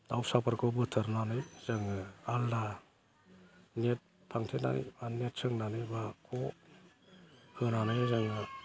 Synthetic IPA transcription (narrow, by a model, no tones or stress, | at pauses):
dawsapʰaɾkʰɔbɯtʰɯɾnanɯjzaŋɯalda | net̚ | pʰaŋtʰena̰nḭbanet̚sɯŋnanɯbakʰɔ | hɯnanɯjzaŋɯ